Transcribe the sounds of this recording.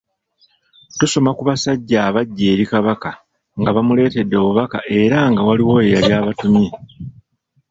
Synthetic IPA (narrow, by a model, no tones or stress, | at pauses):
tuso̞makuβasaɟːaːβaɟːe̞ːɾikaβaka | ŋɡaβamule̞ːte̞dːo̞βuβaka̰ʔe̞ɾaŋɡawaliwo̞ejaljaːβatumi